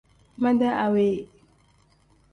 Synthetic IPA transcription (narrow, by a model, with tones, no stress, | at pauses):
ma˦da˦ʔa˨we˦˨